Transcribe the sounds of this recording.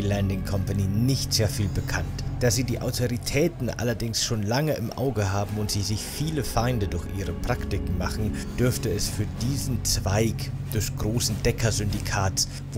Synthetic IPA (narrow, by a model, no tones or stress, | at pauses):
lɛndɪŋkʰɔmpaniːnɪçtz̥eːɐfiːlbəkʰantd̥aːziːdiːʔa̰ʊtʰoʁitʰɛːtn̩ʔa̰lɐdɪŋsʃoːnlaŋəʔɪmʔa̰ʊɡəɦaːbm̩ʊntz̥iːzɪçfiːləfaɪndədʊɐçʔiːʁəpʁ̥aktɪkŋ̩maχn̩d̥ʏɐftəɛsfyːɐdiːzn̩t͡sv̥aɪk | d̥ʊɐçɡ̥ʁoːsn̩dɛkʰɐzʏndikʰaːts | v